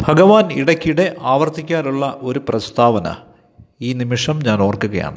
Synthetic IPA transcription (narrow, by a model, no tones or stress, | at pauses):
bʱɐɡɐʋaːniɽɐkʲːiɽe̞ʔaːʋɐrt̪ikʲːaːɾuɭːɐʔo̞ɾuprɐst̪ʰaːʋɐnɐ̰ | iːnimiʂɐmɲaːno̞ːrkuɣɐja̰ːɳɨ